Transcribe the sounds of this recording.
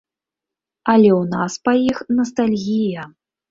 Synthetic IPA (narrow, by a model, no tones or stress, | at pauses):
ɐlʲɛwnaspajixnɐs̬t̪alʲɣʲijɐ